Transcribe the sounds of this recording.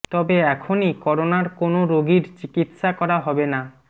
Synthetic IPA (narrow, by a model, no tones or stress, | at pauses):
t̪ɔbeɛkʰonikɔɾonaɾkonoɾoɡiɾt͡ɕikit̪ʃakɔɾaɦɔbena